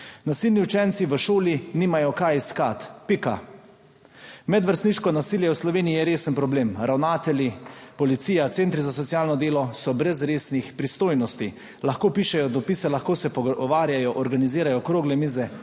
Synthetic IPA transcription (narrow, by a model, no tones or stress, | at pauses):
nasilniut͡ʃɛnt̪siʋəʃoːliniːmajɔkajiskat̪pika̰ | mɛd̪ʋəɾst̪niːʃkɔnasiːljɛwslɔʋeːniijɛɾeːsənpɾɔbleːmɾʔawnaːt̪ɛljipɔlit̪siːjat̪sent̪ɾizasɔt̪sijaːlnɔd̪eːlɔsɔbɾɛzɾeːsnixpɾist̪oːjnɔst̪i | laxkoːpiːʃɛjɔd̪ɔpiːsɛlaxkoːsɛpɔɔʋaːɾjajɔʔɔɾɡaniziːɾajɔkɾoːɡlɛmiːzɛ